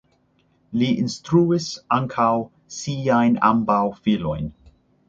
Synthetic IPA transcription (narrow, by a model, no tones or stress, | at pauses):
liʔinstɾuisaŋkʰaw | siajna̰mbawfilo̰jn